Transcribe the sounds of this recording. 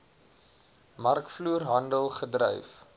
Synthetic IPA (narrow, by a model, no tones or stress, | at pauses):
mɐrkfluːrɦɐndəlˠχədrœ̰jf